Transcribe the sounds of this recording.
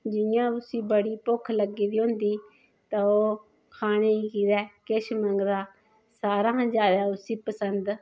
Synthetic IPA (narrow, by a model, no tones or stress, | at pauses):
d͡ʒɪjãːʊsĩːbəɽiːpʊkʰləɡiːd̪iːɦʊ̃nd̪iː | t̪ãːoː | kʰaːɽ̃eːiːkiːd̪ɛːkɪʃməŋɡd̪aː | saːɾãːd͡ʒjaːd̪aːʊsiːpəsənd̪